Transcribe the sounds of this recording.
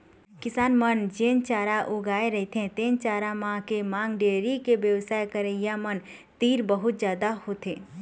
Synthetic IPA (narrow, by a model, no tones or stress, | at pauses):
kɪsaːnmənd͡ʒeːnt͡ʃaːɾaʔoɡaːeɾəɦit̪ʰẽt̪eːnt͡ʃaːɾamãkemãːŋɡɖeːɾikebjəwsaːjkəɾəjamən | t̪iːɾbəɦʊt̪d͡ʒjaːd̪ahot̪ʰeː